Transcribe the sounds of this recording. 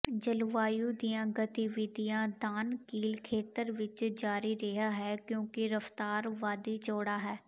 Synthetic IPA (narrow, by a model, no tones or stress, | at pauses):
d͡ʒəlʋaːjud̪ijãːɡət̪iʋɪd̪ʱijãːd̪aːnkiːlkʰeːt̪əɾʋɪt͡ʃd͡ʒaːɾiɾɛɦaɦɛːkjõːkiɾəft̪aːɾʋaːd̪it͡ʃoːɽaːɦɛː